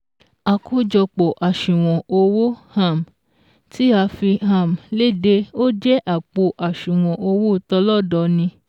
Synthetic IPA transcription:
a˨ko˧˦d͡ʒɔ˧k͡pɔ˨ʔa˨ʃũ˨w̃ɔ̃˨o˧wo˦ha˦˨m˨ | ti˦a˧fi˧ɦã˨m˨le˦˨de˧o˦d͡ʒɛ˦ʔa˦˨k͡po˧ʔa˨ʃũ˨w̃ɔ̃˨ʔo˧wo˦˨tɔ˧lɔ˦˨dɔ˧˦nĩ˧

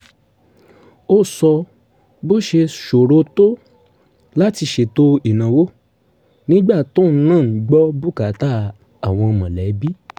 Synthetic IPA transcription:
o˦sɔ˧ | bo˦ʃe˧ʃo˨ɾo˧˦to˦ | la˦ti˧ʃe˨to˦i˨nã˨wo˦ | nĩ˦ɡ͡ba˦˨to˦˨˦nãː˦˨˦ɡ͡bɔ˦bu˦˨ka˨˦ta˦ | a˨w̃ɔ̃˧ɔ˧mã˨lɛ˨˦bi˦

